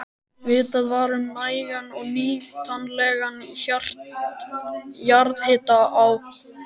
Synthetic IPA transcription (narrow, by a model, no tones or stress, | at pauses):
vɪt̪aðvaːɾʏmnaːjɣanɔɣniːl̥t̪ʰanːlɛɣançar̥ | jaɾðhɪːt̪aaw